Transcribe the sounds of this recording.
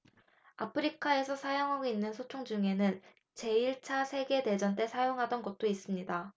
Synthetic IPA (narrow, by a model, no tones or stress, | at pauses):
apʰɯɾikʰae̞sʰʌsʰajoŋɦaɡoinːɯnsʰot͡ɕʰoŋd͡ʑuŋe̞nɯn | t͡ɕe̞iɭt͡ɕʰasʰe̞ɡe̞de̞d͡ʑʌnt̬͈e̞sʰajoŋɦadʌnɡʌt̚t͈ois͈ɯmɲida